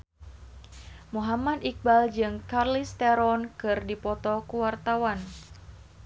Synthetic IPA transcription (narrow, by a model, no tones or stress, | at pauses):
muɦamad̪ik̚bald͡ʒɨŋkarlist̪ɛɾɔnkɨrdipɔt̪ɔkuwart̪awan